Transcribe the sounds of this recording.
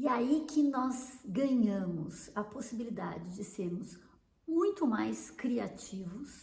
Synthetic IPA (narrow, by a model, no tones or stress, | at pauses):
ɪaikʰʲɪnɔzɡɐ̃ɲɐ̃mʊzɐposibilid̪a̰d͡ʒɪd͡ʒɪseɾmʊz | mũj̃t̪ʊmajskɾiat͡ʃivʊs